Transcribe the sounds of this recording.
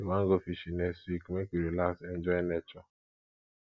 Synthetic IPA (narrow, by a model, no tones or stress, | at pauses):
imaŋ̩ɡofiʃinesikmekʷiɾilasend͡ʒɔinet͡ʃɔ